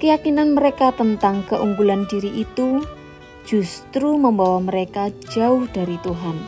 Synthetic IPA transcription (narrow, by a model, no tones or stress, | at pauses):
kəjakinanməɾekat̪ənt̪aŋkəʔuŋɡulandiɾiʔit̪u | d͡ʒ̥ust̪ɾuməmbawaməɾekad͡ʒaʊhd̥aɾit̪uɦan